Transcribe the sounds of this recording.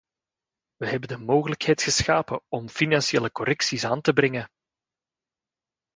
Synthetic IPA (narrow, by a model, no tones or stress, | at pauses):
ʋəɦɛbəndəmoːɣələkhɛjtxəsxaːpəɔmfinɑnsieːləkɔɾʔɛksisaːntəbɾɛŋə